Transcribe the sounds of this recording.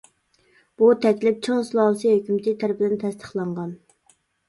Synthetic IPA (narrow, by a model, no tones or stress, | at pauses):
b̥ut̪ʰɛkʲlɪp̚t͡ʃʰoŋslˠɑːlsihøkʲymt̪ʰɪt̪ʰæɾpɪd̪ɪnt̪ʰɛst̪ʰə̥χlˠɑɴʁɑn